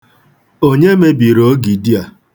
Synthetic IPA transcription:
o˦ɲe˦me˦bi˨ɾo˦ɡi˨di˦a˨

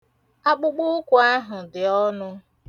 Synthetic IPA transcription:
a˦k͡pʊ˦k͡pʊ˦kʷʊ˨a˦ɦʊ˨dɪ˨ɔ˦nʊ˦

